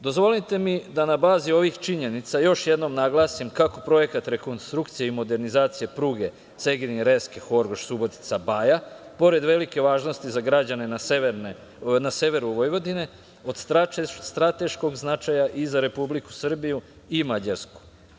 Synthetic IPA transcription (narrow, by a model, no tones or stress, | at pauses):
d̪o̞zʋo̞lit̪e̞mid̪anabaːzio̞ʋixt͡ʃiɲe̞nit̪sajo̞ʃje̞d̪no̞mnaɡlˠaːsimkako̞pɾo̞je̞kat̪ɾe̞ko̞nst̪ɾukt̪sijeimo̞d̪e̞ɾnizaːt̪sije̞pɾuːɡe̞ | se̞ɡniɾe̞skexo̞ɾɡoʃsubo̞t̪i̥t̪sabajapo̞ɾe̞d̪ʋe̞like̞ʋaːʒno̞st̪izaɡɾad͡ʑane̞nan | nase̞ʋe̞ɾuʋo̞jʋo̞d̪ine | o̞d̪sast̪ɾat̪e̞ʃko̞ɡznat͡ʃajaʔizaɾe̞publiku̥sr̩biju | imad͡ʑaɾsku̥